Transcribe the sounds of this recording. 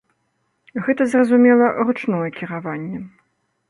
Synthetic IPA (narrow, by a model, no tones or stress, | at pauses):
ɣɛt̪ɐzrɐzumʲɛlˠɐrut͡ʂnɔjɛkʲiɾavanʲːɛ